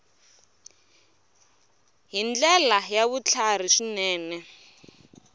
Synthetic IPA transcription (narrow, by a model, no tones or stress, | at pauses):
ɦind͡ɮɛlajaβut͡ɬʰar̤iʂinɛːnɛ